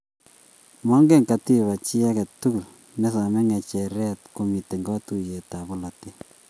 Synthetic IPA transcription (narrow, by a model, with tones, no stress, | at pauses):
mɔ˦ŋɡe˦˨ŋka˨ti˦βa˨t͡ʃi˦a˦kɛ˨tːu˦ku˨l | mɛ˦sa˨mɛ˦ŋɛ˨t͡ʃɛ˨ɾɛ˦tko˨mi˨te˨ŋɡɔ˦tuje˨ta˨bo˦la˨ti˦